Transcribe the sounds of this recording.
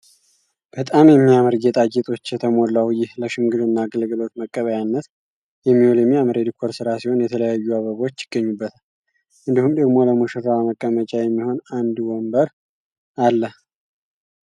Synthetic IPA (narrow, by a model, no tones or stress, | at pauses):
b̥ət̪ʼamjɛmːijaməɾɡet̪ʼaɡet̪ʼo̞t͡ʃːjɛt̪ʰəmo̞lːawjɪhləʃɪmɡɨd̪ɨnːaːɡɨlɡɨlo̞t̪məkʼːəβəjanːət̪ | jɛmːiholomiaməɾed̪kʰoɾsɨɾasiho̞njɛt̪ʰələjajːuaβəβo̞t͡ʃːjɪ̥ɡ̥ːəɲːubːət̪ʰal | ʔɨnd̪ihumd̪əɡmo̞ləmuʃɨɾawaməkʼːəmət͡ʃʼajɛmːiho̞nand̪wombəɾ | alːə